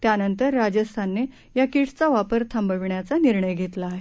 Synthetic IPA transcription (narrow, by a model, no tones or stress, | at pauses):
t̪janənt̪əɾːad͡ʑəst̪ʰanːe | jakiʈt͡saʋapəɾt̪ʰambəʋɳjat͡saniɾɳəjɡʱet̪laːɦe